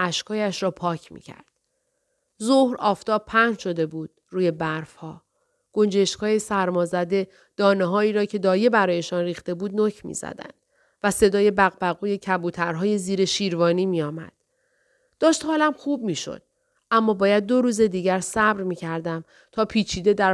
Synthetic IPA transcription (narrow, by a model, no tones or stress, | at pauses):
ʔæʃkʰɒːjæʃɾɒːpʰɒːcʰmḭcʰæ̰ɾd̪̥̚ | zohɾɒːft̪ɒːb̚pʰæhnʃo̞d̪e̞buːd̪̥ruːje̞bæɾfhɒː | ɡ̥o̞nd͡ʒe̞ʃkʰɒːjesæɾmɒːzæd̪e̞ | d̪̥ɒːneɦɒːiːɾɒːcʰe̞d̪ɒːje̞bæɾɒːje̞ʃɒnriːxt̪e̞buːd̪̚nocʰmḭz̥æ̰d̪æ̰nd̪̥ | væse̞d̪ɒːje̞bæɣbæɣuːje̞cʰæbuːt̪ʰæɾɦɒːje̞ziːɾe̞ʃiːɾvɒːniːmijɒːmæ̰d̪̥ | d̪̥ɒːʃt̪hɒːlæmxub̚miːʃo̞̰d̪̥̚ | ʔæmːɒːbɒːjæd̪̚ːo̞ɾuːze̞d̪iːɟæɾsæbɾmiːcʰæɾd̪æm | t̪ʰɒːpʰiːt͡ʃʰiːd̪e̞d̪æ